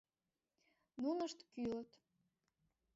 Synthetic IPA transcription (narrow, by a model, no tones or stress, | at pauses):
munəʃt̪kylət̪